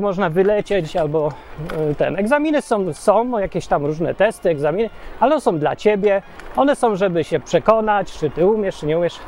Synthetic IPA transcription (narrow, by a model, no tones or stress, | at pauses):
mɔʐnavɘlɛt͡ɕɛt͡ɕalbɔ | t̪ɛ̰nɛɡzamʲinɘsɔ̃w̃sɔ̃w̃jakʲeɕt̪amɾuʐnɛ̰t̪ɛst̪ɘɛɡzamʲinɘalɛɔsɔ̃w̃d̪la̰t͡ɕebʲjɛ | ɔnɛsɔ̃w̃ʐɛbɘɕɛpʂɛkɔnat͡ɕt͡ʂɘt̪ɘumʲjɛʂt͡ʂɨɲɛumʲɛʂ